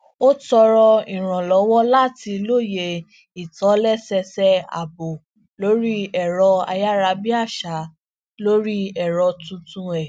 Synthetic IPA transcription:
o˦tɔ˧ɾɔ˧i˨ɾ̃ã˨lɔ˨˦wɔ˦la˦ti˧lo˦˨je˧ | i˨tɔ˨˦lɛ˦sɛ˧sɛ˦a̰˨bo˨ | lo˦ɾi˦ɛ˨ɾɔ˧a̰˧ja˦ɾa˧bi˦a˦˨ʃa˨˦ | lo˦ɾi˦ɛ˨ɾɔ˧tũ˧tũ˧ɛ˨

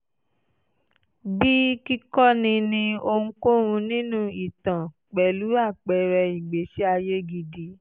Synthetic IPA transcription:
bi˦ki˦kɔ˦nĩ˧nĩ˧o˧ŋ̩̃˦ko˦ɾũ˧nĩ˦nũ˦i˦˨tã˨ | k͡pɛ˨lu˨˦a˦˨k͡pɛ˨ɾɛ˧i˨ɡ͡be˨˦ʃɛ˦a˧je˦ɡi˧di˧˦

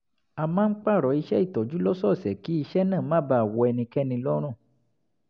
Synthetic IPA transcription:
a˨mãː˦ŋ̩˦k͡pa˦˨ɾɔ˨i˧ʃɛ˦i˦˨tɔ˨d͡ʒu˨˦lɔ˦sɔ˦˨sɛ˨ki˦i˧ʃɛ˦nãː˦˨mã˦ba˧˨a˨wɔ˧ɛ˧nĩ˧kɛ˦nĩ˧lɔ˦ɾ̃ũ˦˨

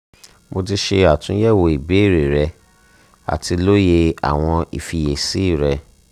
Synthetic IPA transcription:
mo˧ti˧ʃe˧a˨tũ˦jɛ˦˨wo˧˨i˨be˨˦˨ɾe˨ɾɛ˧ | a̰˨ti˧lo˦je˧a̰˨w̃ɔ̃˧ḭ˨fi˧je˨si˨˦i˦˨ɾɛ˧

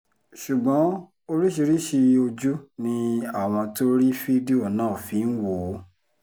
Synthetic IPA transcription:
ʃu˨ɡ͡bɔ̃˨˦ | o˧ɾi˦ʃi˧ɾi˦ʃi˧o˧d͡ʒu˦nĩ˧a˦˨w̃ɔ̃˧to˦ɾi˦fi˦di˦o˦˨nãː˨˦˨fĩ˨˦n̩˦wo˨˦

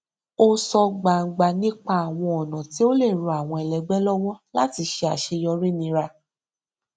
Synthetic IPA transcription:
o˦sɔ˧ɡ͡ba˨ŋ̩˨ɡ͡ba˧nĩ˦k͡pa˦a˨w̃ɔ̃˧ɔ˨nã˨ti˨˦o˦le˦˨ɾũ˧˦a˨w̃ɔ̃˧ɛ˨lɛ˨ɡ͡bɛ˦lɔ˦wɔ˦la˦ti˧ʃe˧a˨ʃe˧jɔ˧ɾi˦˨nĩ˧ɾa˧

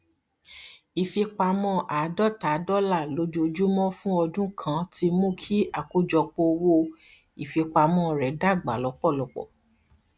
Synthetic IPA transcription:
i˨fi˧k͡pa˧mɔ̃˦ʔa˨˦dɔ˦˨ta˨˦dɔ˦la˦˨lo˨˦d͡ʒo˧d͡ʒu˦mɔ̃˦fũ˦ɔ˧dũ˦kʰã˧˦ti˧mũ˦kʰi˦a˨ku˦d͡ʒɔ˧k͡po˧wo˦˧ | i˨fi˧k͡pa˧mɔ̃˦ɾɛ˨˦da˦˨ɡ͡ba̰˨lɔ˨˧˦k͡pɔ˦˨lɔ˨˧k͡pɔ̰˨

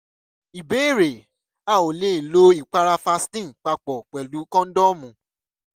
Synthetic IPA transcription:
i˨be˨˦i˦˨ɾe˨ | a˦˨o˨le˦˨lo˦i˦˨k͡pa˧ɾa˧fa˧stĩ˦˨k͡pa˧k͡pɔ˨k͡pɛ˨lu˨˦kɔ̃˦n̩˦dɔ˦mũ˨˦

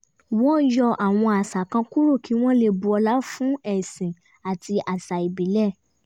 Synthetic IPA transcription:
wɔ̃˦n̩˦jɔ˧ʔa˨w̃ɔ̃˧a˨sa˨kã˧ku˦ɾo˦˨kʰi˨˦w̃ɔ̃˦le˧bu˧ɔ˧la˦fũ˦ɛ˦˨sĩ˨ | a˨tʰi˧a˨sa˨i˨bi˨˦lɛ˦˨

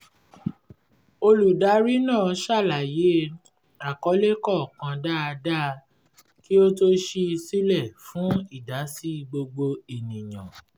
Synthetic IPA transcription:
o˧lu˨da˨˦ɾi˦nãː˦˨˧ʃa˦˨la˨je˨˦ | a˨kɔ˨˦le˦kɔ˦˨kã˧da˦˧da˦˧ | ki˦o˦to˦ʃe˧si˦lɛ˦˨fũ˨˦i˦˨da˨˦si˦ɡ͡bo˧ɡ͡bo˧i˨nĩ˨jã̰˨

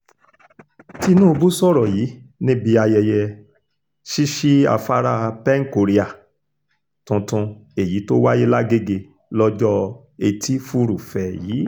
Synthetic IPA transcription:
ti˧nũ˦˧bu˦sɔ˦˨ɾɔ˨jiː˨˦nĩ˦bi˧a˧jɛ˧jɛ˧ | ʃi˦ʃi˦a̰˧˨fa˦ɾa˦˨˧pɛ˦ŋ̩˦ko˨ɾi˦a˨ | tũ˧tũ˧ | e˨ji˨˦to˦wa˦je˦la˦ɡe˦ɡe˧ | lɔ˦d͡ʒɔ˦ | e˧tʰi˦fu˦ɾu˨fɛ˨jiː˨˦

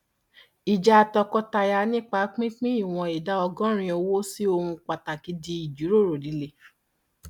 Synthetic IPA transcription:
i˨d͡ʒa˧a˧tɔ˧kɔ˦ta˧ja˧nĩ˦k͡pa˧˦k͡pĩ˦k͡pĩ˦i˦˨w̃ɔ̃˧i˨da˦ɔ˧ɡɔ̃˦ɾ̃ĩ˧o˧wo˦si˦o˧hũ˧k͡pa˨ta˨ki˨˦di˧i˨d͡ʒu˨˦ɾo˦˨ɾo˨di˨˦le˧˨

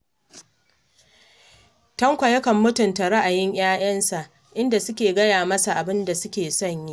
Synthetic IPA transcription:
tɐ˦ŋkʷɐ˨jɐ˦kɐ˨mːʊ˦tʊ˨nta˨ɽɐ˦ʔa˨jɪ˦ɲj̰aː˦j̰ɐ˦nsa˨ʔ | ʔɪ˦nda˨sʊ˦kʲeː˨ɡɐ˦jaː˨mɐ˦sa˨ʔa˨bɪ˦nda˨sʊ˦kʲeː˨sɐ˦˨ɲji˦ʔ

